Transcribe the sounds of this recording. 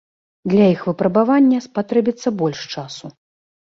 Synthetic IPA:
d̪lʲɐjixvɨpɾɐbavanʲːɐspat̪ɾɛbʲit̪sːɐbɔlʲʂt͡ʂasu

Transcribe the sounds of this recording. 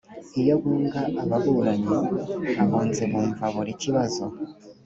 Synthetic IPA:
ijoɡuːŋɡaːβaβuɾaɲoβaβoːnzemuːɱvaβoɾiciβazo

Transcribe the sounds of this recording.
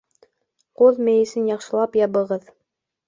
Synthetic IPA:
qoðmæjɘ̆sɘnjɑqʃɤ̆lˠɑpjɑβɤ̆ʁɤð

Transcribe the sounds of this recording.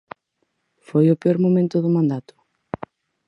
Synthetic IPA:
fojopeoɾmomẽnt̪ʊðomãnd̪at̪ʊ̥

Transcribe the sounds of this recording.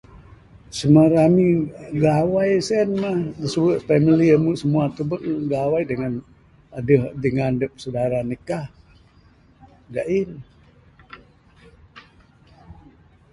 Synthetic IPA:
səmaɾamiɡawajsɛnmahdəsəwəʔpɛmiliəmuʔsəmuat̪ubəʔɡawajdəŋan | adəhdəŋandəp̚sədaɾanikah | ɡaʔin

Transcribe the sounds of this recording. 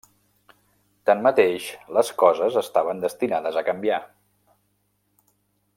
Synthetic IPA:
t̪ənmət̪eʃləskɔzəzəst̪aβənd̪əst̪inaðəzəkəmbia

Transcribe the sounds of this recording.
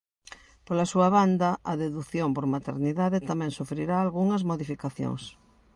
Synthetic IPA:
polasuɐβand̪ɐʔɐðeðuθjompoɾmat̪ḛɾniðaðet̪amɛ̃ŋsufɾiɾaːlɣuŋɐzmoðifikaθjõ̰ŋs

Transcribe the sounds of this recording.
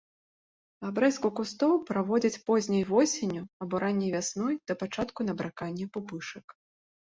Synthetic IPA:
abɾɛskukust̪ɔwpɾavɔd͡zʲɐt͡sʲpɔzʲnʲɐjvɔsʲenʲuɐbɔɾʔanʲːɛjvʲasnɔjd̪̥ɐpat͡ʂat̪kun̪ɐbɾakanʲːɛpupɨʂɐk

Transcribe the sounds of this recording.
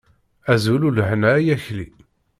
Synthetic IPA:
æzululʕnæjæçli

